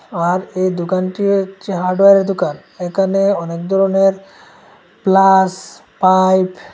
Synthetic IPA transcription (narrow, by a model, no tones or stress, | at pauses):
aɾejd̪okanʈit͡ɕeɦaɾɖoeɾeɾd̪okan | ekʰaneɔnek̚d̪ʱɔɾoneɾ | plas | pajp